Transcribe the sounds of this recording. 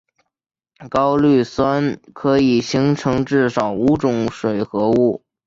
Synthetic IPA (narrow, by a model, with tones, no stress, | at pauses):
kɑ˥ʊly˥˩swa˥nkʰɤ˧˥i˨˩ɕi˧˥ŋʈ͡ʂʰɤ˧˥ŋʈ͡ʂɻ̩˥˩ʂɑ˨˩ʊu˧˥ʈ͡ʂʊ˨˩˦ŋʂwe˨˩ɪxɤ˧˥u˥˩